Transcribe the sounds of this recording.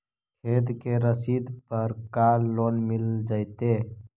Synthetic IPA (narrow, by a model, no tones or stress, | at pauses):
kʰeːd̪keɾəsiːd̪pəɾkaːloːnmɪld͡ʒaːjt̪eː